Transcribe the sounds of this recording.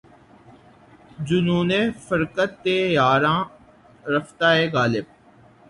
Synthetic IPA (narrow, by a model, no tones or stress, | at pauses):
d͡ʒʊnuːneːfəɾkət̪ːeːjaːɾãː | ɾəft̪aːeːɣaːlɪb̚